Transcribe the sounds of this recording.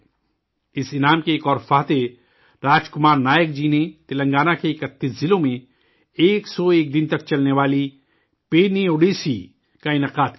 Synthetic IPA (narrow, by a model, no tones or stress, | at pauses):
ɪsɪnaːmkeːkɔːɾfaːt̪e | ɾaːd͡ʒkʊmaːɾnaːjəkd͡ʒiːnet̪ɪlə̃ŋɡaːnakeɪkət̪ːiszɪlõmẽ | eːksɔeːk̚d̪ɪ̃nt̪ɐk̚t͡ʃɐlneʋaːli | peːnioːɖeːsḭ | kaɪnəqaːd̪